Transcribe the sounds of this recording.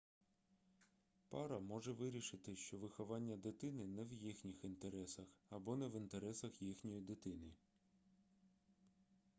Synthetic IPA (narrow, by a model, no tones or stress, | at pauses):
pɑɾɐmɔʒɛʋɪɾʲiʃɪt̪ɪʃt͡ʃɔʋɪxɔʋɑnʲːɐd̪ɪt̪ɪnɪnɛwjixnʲixint̪eɾɛsɐxɐbɔnɛʋint̪eɾɛsɐxjixnʲɔjid̪ɪt̪ɪnɪ